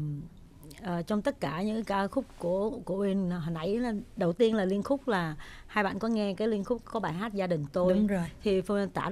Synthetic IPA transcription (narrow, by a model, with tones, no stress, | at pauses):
ʔəː˨˩t͡ɕɔ˧wŋ͡mt̪ə˦˥t̚kaː˧˩ɲɨ̰˧˥kaː˧xʊ˦˥k͡p̚ku˧˩əku˧˩əʔi˧n˨˩ɦa˨˩nʔa˧˩jɗə˨˩wt̪i˧ənlaː˨˩li˧ənxʊ˦˥k͡p̚laː˨˩haː˧jɓa̰ː˧˨nkɔ˨˦ŋɛ˧kaː˨˦jli˧ənxʊ˦˥k͡p̚kɔ˨˦ɓaː˧˩jɦaː˦˥t̚zaː˧ɗï˨˩ŋ̟t̪o˧jo˨jt̪ʰi˨˩fə˧t̪a̰ː˧˩